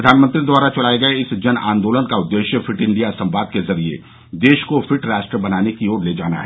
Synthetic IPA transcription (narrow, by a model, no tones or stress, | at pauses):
d̪ʱaːnmə̃nt̪ɾid̪waːɾat͡ʃɐɽ̤aːeɡɐeɪsd͡ʒɐnã̰ːnd̪oːlənkaʊd̪ːeːʃjəfɪʈɪ̃ɳɖijasɐ̃mʋaːd̪̚kezɐɾiḛ | d̪eːʃkofʰɪʈɾaːʃʈɾəbɐnaːnekioːɾleːd͡ʒaːna̰ɦɛ